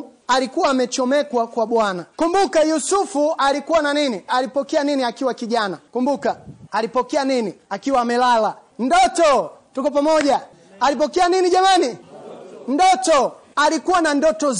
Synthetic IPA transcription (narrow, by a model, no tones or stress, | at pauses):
alikuwaːmɛt͡ʃɔmɛkwakwaɓwanakumbukajusufualikuwananinialipɔkɛaniniakiwakiʄanakumbukaːlipɔkɛaniniakiwaːmɛlala | ndɔtɔtukɔpamɔʄaː | lip̬ɔkɛaniniʄamani | ndɔtɔalikuwanandɔtɔ